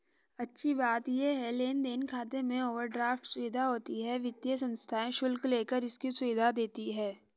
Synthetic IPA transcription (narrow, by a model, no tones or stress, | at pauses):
ɐtːʃʰibaːt̪jeɦɛleːnd̪eːnkʰaːt̪emẽoːʋəɾɖɾaːfʈsʊʋɪd̪ʱaɦoːt̪iɦɛʋɪt̪jəsɐ̃nst̪ʰaːẽʃʊlkleːkəɾɪskisʊʋɪd̪ʱad̪eːt̪iɦɛː